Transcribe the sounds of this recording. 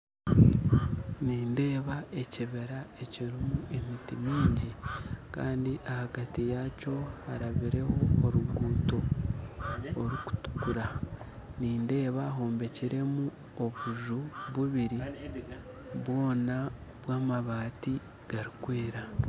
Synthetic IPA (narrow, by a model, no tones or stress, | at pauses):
niːnde̞ːβae̞ciβe̞ɾae̞ciɾimuʔe̞mitimiːɲɟikaːndiʔahaɡatijaːco̞haɾaβiɾe̞ho̞ːɾuɡuːto̞ | ɾuku̥tu̥kuɾa | niːnde̞ːβaɦo̞ːmbe̞ciɾe̞mu | o̞βuʒuβuβiɾi | βwo̞ːnaβwaːmaβaːti | ɡ̥aɾikweːɾa